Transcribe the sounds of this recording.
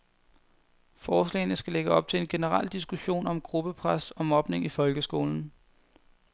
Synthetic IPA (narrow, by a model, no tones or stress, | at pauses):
fɒːslɛ̰ɪnəsɡ̥æleɡ̥əɒ̽b̥̚t͡sʰe̝le̝nɡ̥e̝nəʁɑ̰l̰d̥isɡ̥uɕo̝̰ːnɒ̽mɡ̥ʁub̥əpʰʁasɒ̽mɒ̽b̥ne̝ŋifɒ̽lɡ̥əsɡ̥o̝̰ːln̩